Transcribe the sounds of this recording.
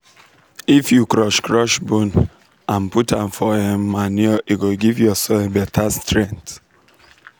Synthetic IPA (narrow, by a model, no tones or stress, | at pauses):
ifjukɹɔʃkɹɔʃbũn | ãnputãɱfɔɛ̃mːaniɔʔiɡoɡivjɔsɔebɛtʰastɹɛ̃nt